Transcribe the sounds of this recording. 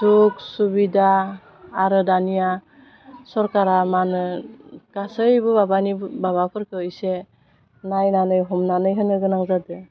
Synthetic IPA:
suk̚subidaː | ɾɯdanija | sɔɾkaɾamanɯkasɯjbɯbabanibbaβapʰɯɾkʰɯɯjse | najnanɯjɦɔmnanɯjɦɯnɯɡɯnaŋzadɯ

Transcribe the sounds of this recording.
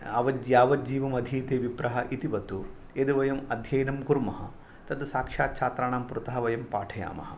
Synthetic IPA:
ɐʋɐjaːʋɐd͡ʒiːʋɐmɐd̪ʱiːt̪eːʋipɾɐɦɐʔit̪iʋɐt̪u | ed̪uʋɐjɐmɐd̪ʱjɐjnɐmkuɾmɐɦɐ̰̆ | t̪ɐd̪ɐsaːkʂaːt̪̚t͡ʃʰaːt̪ɾaːɳaːmpɾut̪ɐɦɐʋɐjɐmpaːʈʰɐja̰ːmɐ̰hɐ

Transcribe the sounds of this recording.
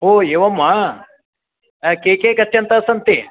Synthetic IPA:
ɦoːeːʋɐmːa | keːkeːkɐt̪jɐnt̪asɐnt̪i

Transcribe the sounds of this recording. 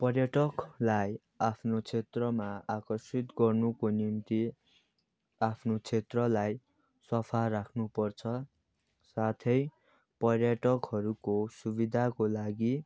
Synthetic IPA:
pʌrjʌʈʌklaj | apʰnot͡sʰet̪rʌmaakʌrsit̪ɡʌrnukonimt̪i | apʰnot͡sʰet̪rʌlaj | sʌpʰarakʰnupʌrt͡sʰʌ | sat̪ʰʌj | pʌrjʌʈʌkɦʌɾukosubid̪ʱakolaɡi

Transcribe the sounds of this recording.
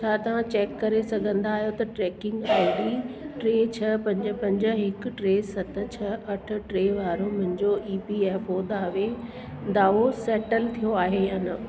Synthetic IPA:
t͡ɕʰaːt̪ɐʋ̤ãt͡ɕeːkːɐɾesɐɡʱə̃nd̪aːɦijot̪ɐʈɾɛːkɪ̃ŋɡaːɪ̃diʈɾeːt͡ɕʰɐpɐ̃ɲd͡ʑəpɐ̃ɲd͡ʑə̆ɦɪk̆ʈɾeːsɐt̪ʰə̆t͡ɕʰɐʔɐʈʰʊ̆ʈɾeːʋaːɾõmʊ̃ɦɪ̃ɲd͡ʑoʔiːpiɛːfoːd̪aːʋe | d̪aːʋosɛːʈəlt̪ʰijoaːɦejaːnɐ

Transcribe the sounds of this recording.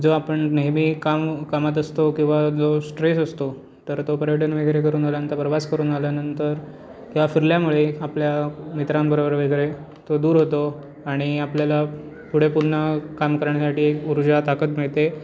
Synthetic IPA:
d͡zoapəɳnemiːkamkamat̪əst̪okĩw̃ʋad͡zosʈɾesəst̪o | t̪əɾt̪opəɾjəʈənʋeɡɾek̬əɾuːnd͡zalant̪apɾəʋaskəɾuːnd͡zaljanənt̪əɾ | kĩw̃ʋafiɾljamuɭeapljamit̪ɾãmbəɾobəɾʋeɡɾe | t̪od̪uːɾɦot̪o | aɽ̃iapljala | puɽ̤epunəkamkəɾaɳasaʈiːekuɾd͡ʑat̪akət̪miɭt̪e

